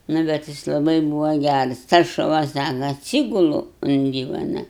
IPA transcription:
ˈnʊ bʲɛt ˈjɪs lˠɐˈbɐɪ ˈbuːʋɐ ˈɡʲærɐs tɐs ʃʊˈʋɐ ˈsɑːkɐ ɐtʲˈsʲiːɡʊlˠʊ ʊn ˈdʲiːʋɐnɐ

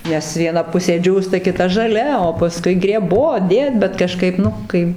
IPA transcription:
ˈnʲɛs ʋʲiɛˈnɐ ˈpʊsʲeː ˈd͡ʒʲuːstɐ kʲɪˈtɐ ʒɐˈlʲɛ oː pɐˈskʊɪ ɡrʲɛˈboːt ˈdʲeːt bʲɛt kɐˈʃkɐɪp ˈnʊ kɐɪ

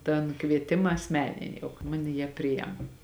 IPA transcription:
tɐn ˈkʋʲiɛtʲɪmɐ ɐsʲˈmʲæːnʲɪnʲɪ ˈjɛʊ kɐ ˈmɑːnʲɛ jiɛ ˈpʲrʲɪjɛm

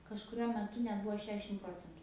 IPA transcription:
kɐʃkʊˈrʲuɔ mʲɛˈtʊ nʲɛt ˈbʊʋoː ˈʃʲæːʃʲɪm ˈproːt͡sʲɛntʊ

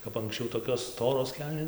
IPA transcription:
kɐp ɐŋksʲˈt͡ʃʲɛʊ toːkʲoːs ˈstoːroːs ˈkʲɛlʲnʲeː

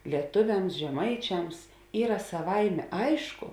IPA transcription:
lʲiɛˈtʊʋʲɛms ʒʲɛˈmɐɪt͡ʃʲɛms ˈiːrɐ sɐˈʋɐɪmʲeː ˈɐɪʃkʊ

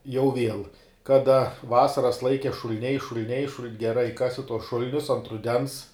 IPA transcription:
jɛʊ ˈʋʲiɛlˠ ˈkɑːdɐ ˈʋɑːsɐrɐs ˈlˠɐɪkʲɛ ʃʊlʲˈnʲɛɪ ʃʊlʲˈnʲɛɪ ʃʊlˠn ɡʲɛˈrɐɪ ˈkɑːsʲɪ tuɔs ˈʃʊlʲnʲʊs oː ɐnt rʊˈdʲɛns

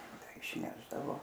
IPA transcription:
ˈtɐɪ ɪʃʲˈnʲæːʒdɐʋoː

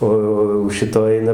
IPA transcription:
ˈoː oː jɛʊ ˈʃʲɪtoː ˈɐɪnɐ

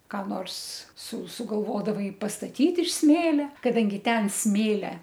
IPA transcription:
kɑː ˈnoːrs sʊ sʊɡɐlˠˈʋoːdɐʋɐɪ pɐstɐˈtʲiːt ɪʃ ˈsʲmʲeːlʲɛ kɐˈdɐŋʲɡʲɪ ˈtʲɛn ˈsʲmʲeːlʲɛ

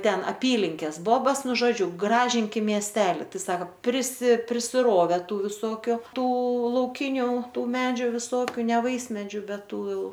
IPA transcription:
ˈtʲɛn ɐˈpʲiːlʲɪŋʲkʲeːs ˈboːbɐs ˈnʊ ʒoːˈd͡ʒʲʊ ˈɡrɑːʒʲɪŋʲkʲɪm mʲiɛˈsʲtʲæːlʲɪ ˈtɐɪ ˈsɑːkoː pʲrʲɪsʲɪ pʲrʲɪsʲɪˈroːʋʲɛ ˈtuː ʋʲɪˈsoːkʲʊ ˈtuː lˠɐʊˈkʲɪnʲʊ ˈtuː ˈmʲæːd͡ʒʲʊ ʋʲɪˈsoːkʲʊ nʲɛ ˈʋɐɪsʲmʲɛd͡ʒʲuː ˈbʲɛt ˈtuː ˈjɛʊ

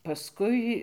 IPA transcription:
pɐˈskʊɪ

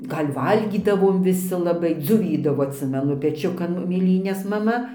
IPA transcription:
ˈɡɐlʲ ˈʋɐlʲɡʲiːdɐʋoːm ʋʲɪˈsʲɪ lˠɐˈbɐɪ d͡zoːˈʋʲiːdɐʋoː ɐtʲˈsʲɪmʲɛnʊ pʲɛˈt͡ʃʲʊkɐn mʲeːˈlʲiːnʲɛs mɐˈmɐ

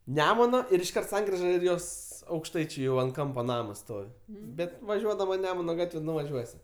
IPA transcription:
ˈnʲæːmʊnoː ɪr ɪʃˈkɐrt ˈsɐŋkrʲɪʒɐ ˈɪr ˈjoːs ɐʊkʃˈtɐɪt͡ʃʲʊ ˈjɛʊ ɐnt ˈkɐmpɐ ˈnɑːmɐs ˈstoːʋʲɪ ˈbʲɛt ʋɐˈʒʲuɔdɐmɐ ˈnʲæːmʊnɐ ˈɡɑːtʲʋʲɛ nʊʋɐˈʒʲuɔsʲɪ

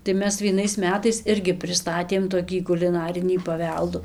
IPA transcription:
tɐɪ ˈmʲɛs ʋʲiɛˈnɐɪs ˈmʲæːtɐɪs ˈɪrʲɡʲɪ pʲrʲɪˈstɑːtʲeːm toːˈkʲiː kʊlʲɪˈnɑːrʲɪnʲiː pɐˈʋʲɛlˠduː

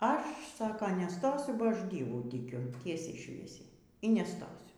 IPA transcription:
ˈɐʃ ˈsɑːkɐ nʲɛˈstoːsʲʊ bɐ ˈɐʃ ˈdʲiɛʋuː tʲɪˈkʲʊ ˈtʲiɛsʲɛɪ ˈʃʲʋʲiɛsʲɛɪ iː nʲɛˈstoːsʲʊ

